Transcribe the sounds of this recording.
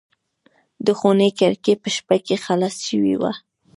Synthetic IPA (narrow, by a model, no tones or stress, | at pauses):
d̪əxonekaɾkepəʃpakexalasʃəwḭwa̰